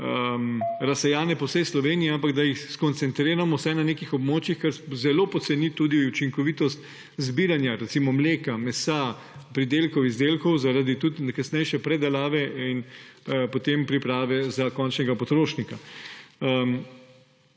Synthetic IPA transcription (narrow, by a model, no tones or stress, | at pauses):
əmɾɐsɛjaːnɛpɔwsɛjslɔʋeːnijɛampaɡd̪ajixskɔnt̪sɛnt̪ɾeːɾamɔwsɛjnaneːkixɔbmoːt͡ʃixkɐɾzɛloːpɔt̪sɛnit̪uːd̪iut͡ʃiŋkɔʋit̪ɔst̪ | zbiːɾanjaɾɛt̪simɔmleːkamɛsa | pɾid̪eːlkɔwizd̪eːlkɔwzaɾad̪it̪ut̪nkasnɛjʃɛpɾɛd̪ɛlaːʋɛinpot̪empɾipɾaːʋɛzakɔnt͡ʃnɛɡapɔt̪ɾoːʃnika | əm